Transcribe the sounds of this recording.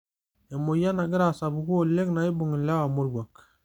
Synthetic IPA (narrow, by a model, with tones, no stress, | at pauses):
e˨mo˨ja˦na˨ɡi˦ɾa˨sa˨bu˨ɡu˦o˨le˦kna˨i˦bo˨ŋi˨la˦wa˨mo˦ɾɡwa˨k